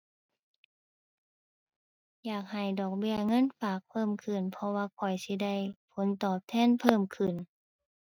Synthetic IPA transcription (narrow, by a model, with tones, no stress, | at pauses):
jaː˨˩k̚ha˨˩jdɔː˨˩k̚bi˧˩əŋɤ˧˥˨nfaː˨˩k̚pʰɤː˧˥˨mkʰɯ˧˩npʰɔ˧waː˧kʰɔ˨˩jsi˧˦da˧˩jpʰo˧˦nt̪ɔː˨˩p̚t̪ʰɛː˧˥˨npʰɤː˧˥˨mkʰɯ˨˩˨n